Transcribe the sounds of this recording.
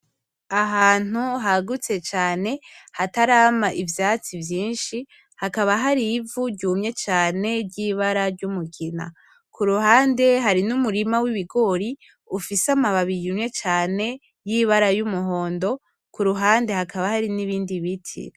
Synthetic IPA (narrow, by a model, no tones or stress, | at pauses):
aɦaːn̥uɦaɡut͡se̞t͡ʃaːne̞hataɾaːmaʔivjaːt͡sivjiːnʃi | hakaβaɦaɾivuɟɟuːmɲe̞t͡ʃaːne̞ɾɟiβaɾaɾɟumukina̰ | kʰuɾuhaːnde̞ɦaɾinumuɾimawiβiɡo̞ɾi | ufisamaβaβijimɲe̞t͡ʃaːne̞ | jiβaɾajumuɦo̞ːndo̞ | kuɾuɦaːnde̞hakaβahaɾiniβiːndiβitʰḭ